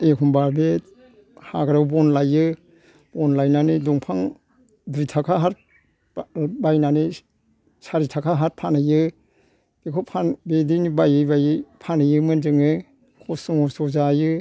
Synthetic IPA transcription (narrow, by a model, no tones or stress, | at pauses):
ekʰɔmbaɾbe | haɡɾawbɔnlajɯ | b̥ɔnlajnaniduŋpʰaŋ | dɾitʰakʰaɦaɾ | bajnani | saɾitʰakʰaɦaɾ̚pʰanɯjɯ̥ | ekʰɔpʰanbedinibajɯjbajɯpʰanɯjɯmɯnd͡ʒɯŋɯ | kʰɔsɔŋɔsɔzajɯ